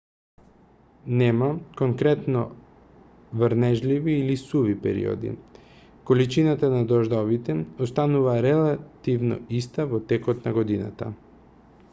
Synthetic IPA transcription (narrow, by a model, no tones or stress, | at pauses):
nɛmakoŋkɾɛt̪nɔ̰ | vɾnɛʒliviːlisuvipɛ̰ɾḭo̰d̪ḭ | kolit͡ʃinat̪anad̪ɔʒd̪ɔvit̪ɛɔst̪anuvaɾɛlˠat̪ivnɔ̰ist̪avɔt̪ɛkɔt̪naɡod̪ina̰t̪a̰